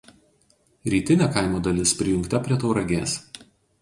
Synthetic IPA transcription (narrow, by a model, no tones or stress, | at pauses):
ɾʲiːt̪ʲɪnʲæːkaˑɪmoːd̪ɐlʲɪspʲɾʲɪjʊŋˑkt̪ɐpʲɾʲiɛt̪oʊɾɐɡʲeːs